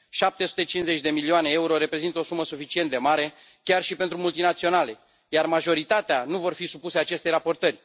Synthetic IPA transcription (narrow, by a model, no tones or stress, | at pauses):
ʃap̚t̪e̞su̥t̪e̞t͡ʃinze̞t͡ʃʲd̪e̞milioane̞euɾo̞ɾe̞pɾe̞zint̪əo̞suməsufit͡ʃient̪d̪e̞maɾe̞ | kʲarʃipe̞nt̪ɾumult̪inat̪sio̞nale̞ | jarmaʒo̞ɾit̪at̪eanuvo̞rfisupuseat͡ʃe̞st̪ejɾapo̞rt̪ərʲ